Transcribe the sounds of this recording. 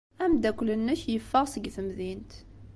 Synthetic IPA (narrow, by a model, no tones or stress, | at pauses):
æmd̪ækʷːlənːəçjəfːəʁsəɡθəmðint̪